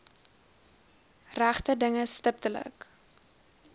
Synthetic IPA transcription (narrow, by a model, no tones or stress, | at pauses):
ræχtədəŋəstəp̚tələ̰k